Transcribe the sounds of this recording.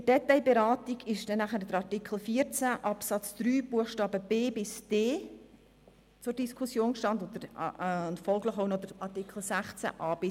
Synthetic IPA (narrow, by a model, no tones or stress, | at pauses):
əd̥ɛtaɪbeɾɑːtiɡɪʃd̥ɛnːæχəɾd̪əɾɑɾtɪkʰl̩fiːəɾt͡sæʔɑpsɑt͡sd̪̥ɾyːb̥uəχʃtɑːbəb̥eːbɪsd̥eː | t͡sʊɾd̥iskʰʊsjoːnʃtɑnd̪od̪əɾntfɔlɡləχoʊnɔd̥əɾɑɾtɪkχl̩sæχt͡sæ̰ʔɑːb̥ɪ